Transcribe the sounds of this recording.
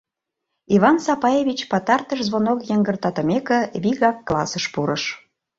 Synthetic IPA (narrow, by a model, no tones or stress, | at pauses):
iβɑnsɑpɑjeβʲit͡ɕpɑt̪ɑrt̪əʃzβonokjəŋɡərt̪ɑt̪ə̆mekĕβiɣɑkːlɑ̰səʃpuɾəʃ